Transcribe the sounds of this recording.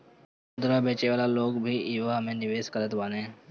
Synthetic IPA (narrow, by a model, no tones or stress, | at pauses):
ʊd̪ɾabeːt͡ʃeʋaːlaloːɡbʱiiʋaɦɐmẽnɪʋeːskəɾət̪ʋaːnẽ